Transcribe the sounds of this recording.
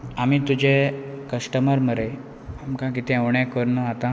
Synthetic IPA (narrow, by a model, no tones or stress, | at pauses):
amit̪ud͡ʑekəsʈəməɾməɾe | amkãkit̪ʰɛ̃əʋɳjãkəɾnəat̪ã